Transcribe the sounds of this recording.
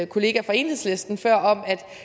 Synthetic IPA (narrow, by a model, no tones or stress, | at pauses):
kʰo̝le̝ːɡ̥æfɒ̽e̝̰ːnl̩he̝sle̝sd̥n̩fɶɐ̰ɒ̽mæd̥